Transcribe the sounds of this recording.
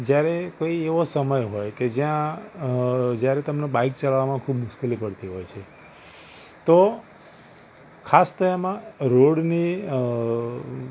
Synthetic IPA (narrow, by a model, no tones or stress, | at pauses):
d͡ʒjaɾekoieʋosəməjɦojked͡ʒjã | d͡ʒjaɾet̪əmnobaik̚t͡ʃəlaʋamãkʰubmʊʃkelipəɽt̪iɦɔjt͡ʃʰe | t̪o | kʰast̪oamãɾoɽni